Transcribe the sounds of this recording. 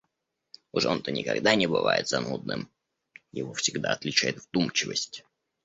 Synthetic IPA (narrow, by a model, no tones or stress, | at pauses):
ʊʐont̪ənʲɪkɐɡd̪anʲɪbɨvajɪt̪zɐnud̪̚nɨ̰m | jɪvofsʲɪɡd̪aɐt̪lʲɪt͡ɕæjɪt̪vd̪umt͡ɕɪvəsʲtʲ